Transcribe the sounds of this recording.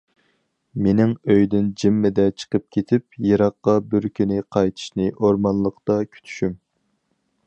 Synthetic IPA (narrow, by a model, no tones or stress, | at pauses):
menɪŋøjd̪ɪnd͡ʒimːɪd̪ɛt͡ʃʰə̥qʰəp̚kʲʰet̪ʰɪp̚jeɾɑqːɑbyɾkʲʰynɪqʰɑjt̪ʰɨ̥ʃnɨʔoɾmɑnlˠəqt̪ɑkʲʰy̥t̪ʰy̥ʃym